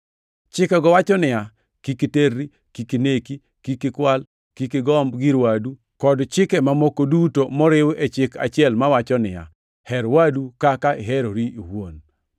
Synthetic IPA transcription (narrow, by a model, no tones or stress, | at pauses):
t͡ʃɪkɛɡɔwat͡ʃɔnɪja | kikiterːi | kikineki | kikɪkwal | kikɪɡɔmbɡiɾwadu | kɔdt͡ʃɪkɛmamokodutomɔɾɪwet͡ʃɪkʰa̰t͡ʃɪɛlmawat͡ʃɔnɪja̰ | hɛɾwadukakaɪɦɛɾoɾiʔiwon